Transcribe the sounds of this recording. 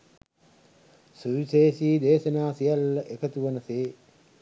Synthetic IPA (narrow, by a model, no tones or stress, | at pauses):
suʋiseːsiːd̪eːʃənaːsijalːəʔekət̪uʋənɐseː